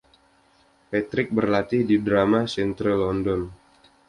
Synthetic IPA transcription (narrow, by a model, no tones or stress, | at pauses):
pat̪ɾɪk̚bərlat̪ɪhdidɾamasɛnt̪ɾəlɔndɔn